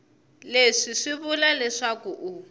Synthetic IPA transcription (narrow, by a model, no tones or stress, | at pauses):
leʂiʂiβulalɛʂakuʔu